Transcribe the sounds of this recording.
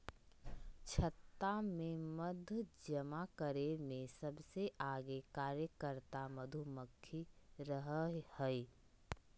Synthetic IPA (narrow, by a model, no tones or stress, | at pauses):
t͡ʃʰət̪ːamẽməd̪ʱd͡ʒəmakəɾemẽsɐbseʔaːɡekaːɾjəkəɾt̪aməd̪ʱuməkʰːiɾəɦhəi